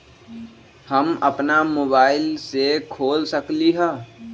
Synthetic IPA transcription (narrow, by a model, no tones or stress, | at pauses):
həmə̰pnamoːbaːɪlsekʰoːlsəkliɦɛ̃ː